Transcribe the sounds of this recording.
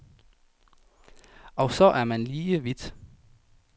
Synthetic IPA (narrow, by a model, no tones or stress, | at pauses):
ɒ̽sɒ̽ʔæɐmænliːəʋid̥